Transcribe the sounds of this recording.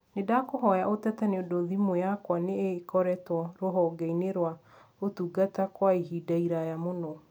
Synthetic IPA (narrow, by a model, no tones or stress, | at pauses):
nedakoɦɔjaʔotɛtaneodoðimojakwaneːkɔɾɛtwɔɾoɦɔɡɛineɾwa | otuɡatakwaiɦidaiɾajamonɔ